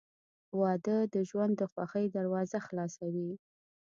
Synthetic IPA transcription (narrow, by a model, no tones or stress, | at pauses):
wɑd̪əd̪əʒwand̪ːəxwa̰xəjd̪aɾwɑzaxlɑsawi